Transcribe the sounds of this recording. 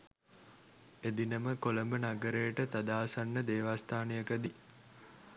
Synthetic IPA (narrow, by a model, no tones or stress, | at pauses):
ed̪inəməkoləmbənaɡəɾejəʈət̪ad̪aːsanːəd̪eːʋaːst̪ʰaːnejəkəd̪i